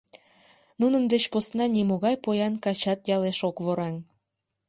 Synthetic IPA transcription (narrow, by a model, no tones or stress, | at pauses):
nunənd̪et͡ɕposnɑnʲimoɣɑjpojɑnkɑt͡ɕɑt̪jɑleʃokβoɾɑŋ